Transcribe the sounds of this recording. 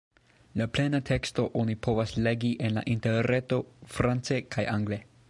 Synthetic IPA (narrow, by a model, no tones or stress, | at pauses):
laple̞natʰe̞ksto̞ʔonipʰo̞vasle̞ɡiʔe̞nla̰ʔinteɾe̞to̞fɾant͡se̞kʰajʔaŋɡle̞